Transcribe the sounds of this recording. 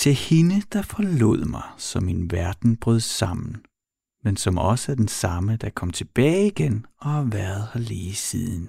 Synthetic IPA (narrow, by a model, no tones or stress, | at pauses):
t͡sʰe̝lhinəd̥ɑ̈fɒ̽lo̝̰ð̰ˠmɑ̈ɪsɒ̽minʋæɐd̥n̩b̥ʁœð̰ˠsɑ̈m̰n̩ | mensɒ̽mɒ̽səæɐd̥ensɑ̈məd̥ɑ̈kʰɒ̽m̰t͡sʰe̝b̥ɛːɪiɡ̥enɒ̽hɑʋæɐð̞ˠhɑleːsiðˠn̩